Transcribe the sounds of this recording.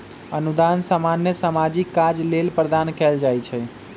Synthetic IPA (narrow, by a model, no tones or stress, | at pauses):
ənud̪ansamanjəsamad͡ʒikːad͡ʒlelpɾəd̪ankɛld͡ʒajt͡ʃʰɛ